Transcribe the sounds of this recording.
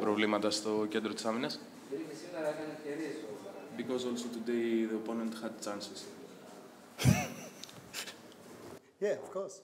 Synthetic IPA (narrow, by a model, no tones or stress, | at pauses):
pɾovlimɐt̪ɐst̪o̞cend̪ɾot̪isaminɐs | ðeisinɐɾɐkɐnefceɾiesoɐbikɔzolsot̪ud̪eɪðoponẽnt̪xɐd̪t͡ʃãnsɪz̥ | jɛofkʰɔs